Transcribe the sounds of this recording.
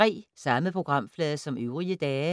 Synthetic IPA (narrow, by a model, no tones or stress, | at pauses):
ʁḭːsɑ̈məpʰʁo̝ɡ̥ʁɑ̈m̰flɛːðˠɐsɒ̽møʊʁiəd̥ɛː